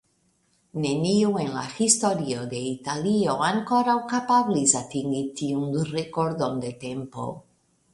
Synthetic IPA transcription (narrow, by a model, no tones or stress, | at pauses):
neniuenla̰xist̪oɾioðeit̪alioaŋkoɾawkapaβlizat̪iŋɡit̪iuŋrekoɾd̪ond̪et̪empo̰